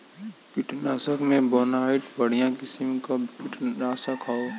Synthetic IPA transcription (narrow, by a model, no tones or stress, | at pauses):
pɪʈʰnaːsəkmẽboːnaːɪʈbəɽ̤ijãkɪsimkapɪʈʰnaːsəkʰao